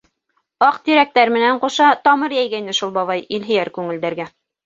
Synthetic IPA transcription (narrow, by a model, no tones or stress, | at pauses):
ɑqt̪iɾæk̚t̪æɾmɘ̆næɴquʃɑt̪ɑmɤɾjæjɡæinɘʃulˠbɑβɑjilɦɘ̆jæɾkʉŋɘ̆ld̪æɾɡæ